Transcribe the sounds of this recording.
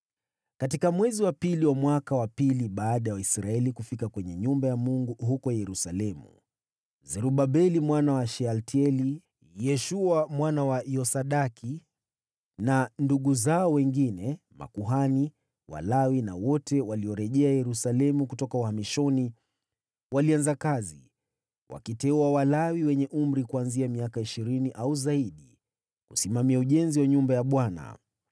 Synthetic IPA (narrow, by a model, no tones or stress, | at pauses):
katikamwɛziwapiliwamwakawapiliɓaːɗajawaisɾaɛlikufikakwɛɲɛɲumbajamuŋɡuɦukɔjɛɾusalɛmṵ | zɛɾuɓaɓɛlimwanawaʃɛaltiɛli | jɛʃuamwanawajɔsaɗakʰi | nanduɠuzaɔwɛŋɡinɛ | ma̰kuɦani | wa̰lawina̰wɔtɛwaliɔɾɛʄɛajɛɾusalɛmukutɔkauhamiʃɔni | walianzakazi | wa̰kitɛuawalawiwɛɲɛʔum̩ɾikuanziamiakaiʃiɾiniʔauzaiɗi | kusimamiauʄɛnziwaɲumbajaɓwana̰